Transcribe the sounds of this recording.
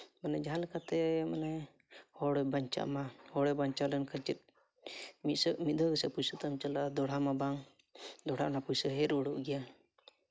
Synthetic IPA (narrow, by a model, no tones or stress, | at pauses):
manɛd͡ʒaɦalɛkat̪ɛmanɛ | hɔɽɛbaɲt͡ʃa̰ʔmahɔɽɛbaɲt͡ʃalɛnkʰət͡ʃɛt̪̚ | mit̪̚səʔmid̪ʱəɡəsɛpusət̪amt͡ʃəlad̪ɔɽ̤amabaŋ | d̪ɔɽ̤aʔnapujsəɦɛɾɔɽuʔɡɛja